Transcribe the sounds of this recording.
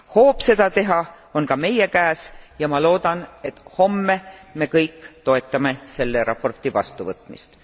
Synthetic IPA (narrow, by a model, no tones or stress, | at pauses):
ho̞ːb̥se̞d̪̥ɑt̪e̞ɦɑ | o̞nkɑme̞jekæːsjɑmɑlo̞ːd̪̥ɑne̞t̪ˑho̞mːe̞me̞kɤjkːˑt̪o̞e̞t̪ːˑɑme̞se̞lːe̞ɾʔɑ̰pːo̞rt̪ˑivɑ̰st̪uvɤt̪ˑmḭst̪